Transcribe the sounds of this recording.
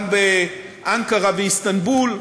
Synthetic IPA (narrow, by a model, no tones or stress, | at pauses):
mbe | ʔaŋkaʁaveist̪anbul